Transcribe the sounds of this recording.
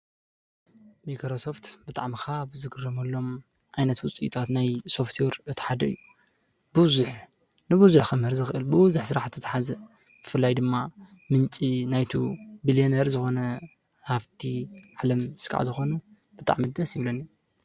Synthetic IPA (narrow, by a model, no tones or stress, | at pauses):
mikɾoso̞ft̪bɨt̪ʼaʕmixabzɨɡɨrːɐmɐlːo̞m | ʕajnɐt̪wʊt͡sʼit̪ʰat̪najso̞ft̪ʰweɾɨt̪ʰi̥ħad̪ɐɨjːu | bɨzuħ | nɨβuzuxɐmhɐɾzɨxɨʔɨlbɨwʊzuħsɨɾaħt̪ʰːɨt̪ʰaħazɐ | bɨfɨlːajd̪ɨmːa | mɨnt͡ʃʼinajt̪ʰubilieneɾzɨxo̞nɐ | haft̪ʰiʕalɐmskʼa̰ʕ̰zɨxo̞nɐ | bɨt̪ʼa̰ʕmid̪ɐsjɪβlɐnːi